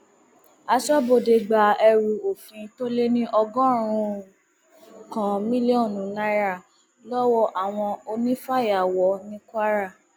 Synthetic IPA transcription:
a˧sɔ˦bo˧˨de˧ɡ͡ba˨ɛ˧ɾu˨o˨fĩ˨˧to˦le˦nĩ˦ʔɔ˧ɡɔ̃˦ɾ̃ũ˧˦ | kã˨mĩ˦li˦ɔ̃˦˨nũ˨˦na˧˦ɾa˦˨ | lɔ˦wɔ˦ʔa˨w̃ɔ̃˧o˧nĩ˦fa˦˨ja˨wɔ˨˦nĩ˦kʷa˦ɾa˦˨

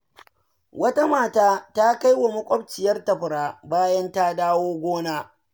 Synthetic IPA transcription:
wɐ˦ta˦maː˨taː˦ta˦ka˦jwa˨mʊ˦kʷʼɔ˦b̚t͡ʃɪ˨jɐ˦rtɐ˨ɸʊ˨ɽaː˦baː˦jɐ˦nta˦daː˦woː˦ɡʷoː˦naː˦

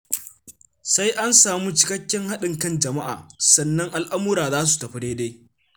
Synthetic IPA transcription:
sa˦jʔa˦nsaː˨mu˦t͡ʃɪ˦kɐ˦kʲːɛ˦ŋha˦ɗɪ˨ŋkɐ˦˨nd͡ʒɐ˨ma˦ʔa̰ː˨sɐ˦nːɐ˦ŋʔa˨lʔa˦mʊ˦ɾaː˨zaː˦s̬u̥˨tɐ˨ɸɪ˦deː˦deː˦

